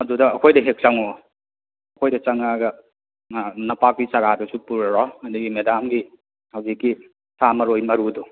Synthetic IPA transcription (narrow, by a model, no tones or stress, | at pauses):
ɐdudɐːkʰojdɐɦek̚t͡ʃaŋo | ɐkʰojdɐt͡ʃɐŋaɡɐ | nɐpak̚disɐɡadusupuɾɾɔɐduɡimedamɡi | hawzikːi | sʰamɐɾojmɐɾudu